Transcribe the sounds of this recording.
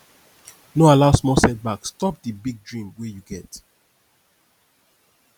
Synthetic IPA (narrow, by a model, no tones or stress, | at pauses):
noalaʊsmɔsɛt̚bakstɔp̚dibiɡ̚dɹĩmwejuɡɛt